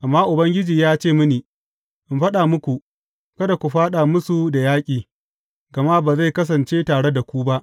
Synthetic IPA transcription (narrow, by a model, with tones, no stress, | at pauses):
ʔa˨mːaː˦ʔʊ˨bɐ˦ŋɡʲɪ˦d͡ʒiː˨jaː˦t͡ʃeː˦˨mʊ˦niː˨ | ʔɪ˨mɸɐ˦ɗaː˨mʊ˦kʷu˨ | kɐ˦da˨kʷu˨ɸaː˦ɗaː˨mʊ˦su˨da˨jaː˦kʲʼiː˨ | ɡɐ˨ma˦baː˨za˦˨kɐ˦s̬ɐ˨nt͡ʃeː˦taː˨ɽe˦da˨kʷu˦ba˦ʔ